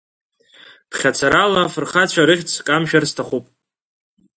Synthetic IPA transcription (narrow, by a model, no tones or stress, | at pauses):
b̥χʲat͡sʰaɾalafɨrχat͡ɕʷʰaɾɨχʲt͡sʰkʼamʃᶣarstʰaχupʼ